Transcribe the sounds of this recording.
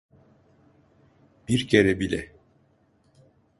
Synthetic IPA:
b̥iɾcʰeɾɛbilʲɛ̰

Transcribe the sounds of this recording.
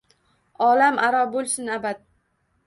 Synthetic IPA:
ɒlamʔaɾɒbolˠsɪnabad̪̚

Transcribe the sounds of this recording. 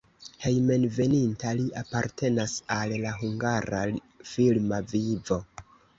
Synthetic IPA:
he̞jme̞nve̞nintaliʔapaɾte̞nasallaɦuŋɡaɾa | filmavivo̞

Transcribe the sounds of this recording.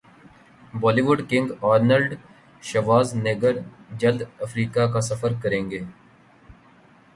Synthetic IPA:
bɔːliːʋʊɖkɪ̃ŋɡaːɾnəlɖ | ʃɐʋaːzneɡəɾd͡ʒɐld̪ɐfɾiːkakasɐfəɾkɐɾẽːŋɡeː

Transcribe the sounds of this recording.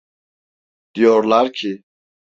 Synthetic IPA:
d̪̥ijɔɾlaɾcʰi

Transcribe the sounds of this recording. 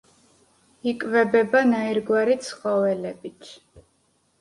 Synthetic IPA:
ikʼvɛbɛbanaiɾɡwaɾit̪sʰχɔvɛlɛbit̪ʰ

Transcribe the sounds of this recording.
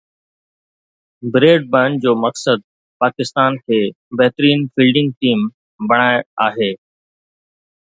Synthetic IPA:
bɾeːɖ̚bə̃ɳɖ̚d͡ʑoːmɐksəd̪̚ | paːkɪst̪aːnkʰeː | bɐɦt̪ɾiːnfʰiːlɖɪ̃ŋɡ̚ʈiːm | bɐɽ̃aːaːɦeː

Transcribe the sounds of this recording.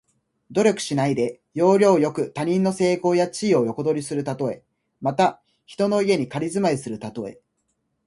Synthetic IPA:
d̪o̞ɾʲo̞kɯ̟̥ɕinaid̪e̞ | jo̞ːɾʲo̞ːjo̞kɯ̟t̪aɲ̟ĩnːo̞se̞ːko̞ːjat͡ɕiːo̞jo̞ko̞d̪o̞ɾʲisɨɾɯ̟t̪at̪o̞e̞ | mat̪a | çi̥t̪o̞no̞ie̞ɲ̟ikaɾʲizɨmaisɨɾɯ̟t̪at̪o̞e̞̰

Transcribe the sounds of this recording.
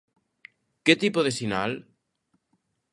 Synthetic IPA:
ket̪ipoð̞esinal

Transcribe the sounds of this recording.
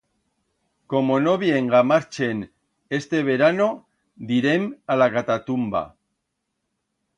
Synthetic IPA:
ko̞mo̞no̞βie̞ŋɡamaɾt͡ʃe̞n | e̞st̪e̞β̞e̞ɾano̞ | d̪iɾe̞malakat̪at̪umba̰

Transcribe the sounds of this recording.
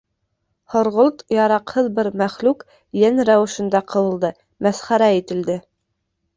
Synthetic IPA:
hŏɾʁolˠt̪jɑɾɑqhɤðbɘɾmæχlʉk | jænɾæwɘ̆ʃɘ̆nd̪ɑqɤ̆wɤ̆lˠd̪ɤ | mæsχæɾæit̪ɘ̆ld̪ɘ

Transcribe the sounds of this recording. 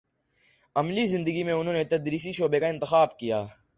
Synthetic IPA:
əmliːzɪ̃nd̪əɡiːmẽːʊnɦõːneːt̪əd̪ɾiːs̬iːʃoːbeːkaːɪ̃nt̪ɪxaːbkijaː

